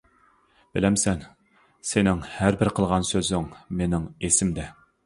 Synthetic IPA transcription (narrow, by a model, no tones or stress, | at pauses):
b̥ɪlɛmsɛn | senɪŋhæɾbɪɾqʰəlˠʁɑnsøzɪŋmenɪŋesɪmd̪ɛ